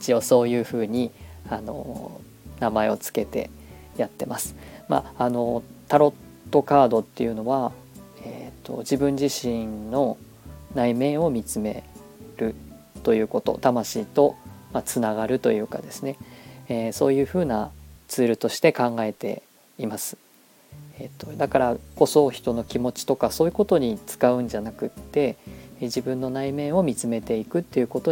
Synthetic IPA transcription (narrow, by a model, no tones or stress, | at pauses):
i̥t͡ɕio̞so̞ːjɯ̟ːɸɯ̟ːɲ̟iano̞̰ | namae̞o̞t͡sɨ̥ke̞t̪e̞̰jat̪ːe̞masɨ̥ma̰ano̞t̪aɾo̞t̪ːo̞kaːd̪o̞t̪ːe̞jɯ̟no̞βa | et̪ːo̞̰d͡ʑibɯ̟̃ɲ̟d͡ʑiɕĩnno̞ | naimẽ̞ɰ̃o̞mʲit͡sɨme̞̰ | ɾɯ̟ | t̪o̞jɯ̟ːko̞t̪o̞̰t̪amaɕiːt̪o̞mat͡sɨnaɡaɾɯ̟t̪o̞̰jɯ̟ːka̰d̪e̞sɨne̞eso̞ːjɯ̟ːɸɯ̟ːnat͡sɨːɾɯ̟t̪o̞ɕi̥t̪e̞kãŋɡae̞t̪e̞̰ | imasɨ̥ | et̪ːo̞d̪akaɾako̞so̞çi̥t̪o̞no̞kʲimo̞t͡ɕi̥t̪o̞kaso̞ːjɯ̟ko̞t̪o̞ɲ̟it͡sɨ̥kaɯ̟̃ɲ̟d͡ʑanakɯ̟t̪ːe̞d͡ʑibɯ̟̃nːo̞naime̞ːo̞mʲit͡sɨme̞t̪e̞ikɯ̟t̪ːe̞jɯ̟ko̞t̪o̞